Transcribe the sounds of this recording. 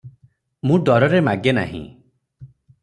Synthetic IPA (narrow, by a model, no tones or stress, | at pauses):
mũɖɔɾɔɾemaɡjena̰ɦḭ̃